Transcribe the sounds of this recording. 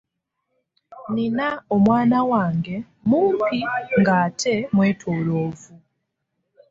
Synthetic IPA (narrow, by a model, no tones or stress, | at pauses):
ninaomwaːnawaːŋɡe | muːmpiŋɡaːtʰemweːtʰoloːvu